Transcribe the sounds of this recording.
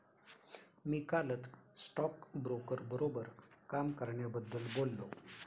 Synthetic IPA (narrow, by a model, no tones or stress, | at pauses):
mikalət̪sʈɔkbɾokəɾbəɾobəɾkamkəɾɳjabəd̪ʱːəlbolːo